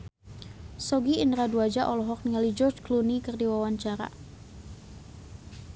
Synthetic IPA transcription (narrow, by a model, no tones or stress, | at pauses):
sɔɡiindɾaduad͡ʒaʔɔlɔɦɔk̚niŋalid͡ʒɔrd͡ʒklunikɨrdiwawaɲt͡ʃaɾa̰